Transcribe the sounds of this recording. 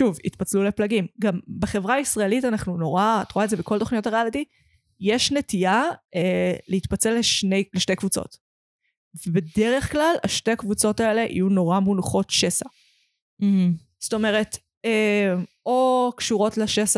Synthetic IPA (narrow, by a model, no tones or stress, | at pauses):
ʃuvḭt̪pat͡slule̞plaɡimɡambeχe̞vʁaisʁaelitanaχnuno̞ʁatʁoaedzebeko̞lto̞χnijo̞taʁealiti | jeʃnetiaeleit̪pɐt͡se̞lːeʃnejleʃtejkvut͡so̞̰t | vebe̞deʁe̞χklalaʃteakvut͡so̞tae̞le̞ʔḭjuno̞ʁamunχo̞tʃe̞sa | h̩ | sto̞me̞ʁe̞t | em | okʃuʁo̞tleʃesa